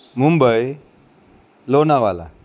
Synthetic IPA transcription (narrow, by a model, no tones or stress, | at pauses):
mumbəj | lonawala̰